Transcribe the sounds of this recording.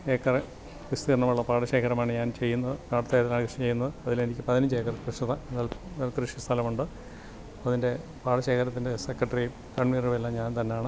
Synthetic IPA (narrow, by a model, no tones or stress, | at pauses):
eːkːɐre | ʋust̪iɐrɳɐmuɭːɐpaːɽɐɕe̞ːkʰɐɾɐmaːɳɨɲaːnt͡ɕe̞jːunːɐðɨkaːɽɐt̪ːɐjt̪ilaːnkrɨʂit͡ɕe̞jːunːɐðɨɐðilenikʲːɨpɐðiniɲd͡ʑeːkːɐrkrɨʂiðɐenːaːlaːlkrɨʂist̪ʰɐlɐmuɳɖɨ | ɐðinde̞paːɽɐɕeːkʰɐɾɐt̪ːinde̞sekːrɐʈːɐri | kɐɳmiːruʋelːɐmɲaːnt̪ɐnːejaːɳɨ